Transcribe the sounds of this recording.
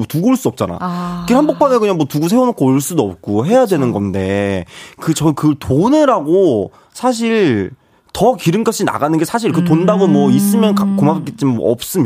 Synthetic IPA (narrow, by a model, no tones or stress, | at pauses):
otuɡouɭs͈uʌp̚t͡ɕ͈ana̰kiɭhanbok̚p͈ʰanekɯɲaŋmwʌtuɡus̬ʰe̞onokʰoɭs͈udoʌp̚k͈oɦe̞jadwe̞nɯnɡʌnde̞kɯt͡ɕʌnkɯtʰonɯɾaɡo | sʰaɕ̬ʰiɭ | tʌkiɾɯnɡaɕʰina̰ɡanɯnɡe̞sʰaɕ̬ʰiɭkɯt̬ondaɡomwʌis͈ɯmjʌnkkomapak͈et͡ɕ͈imʌ̰ʌ̰p̚s͈ɯm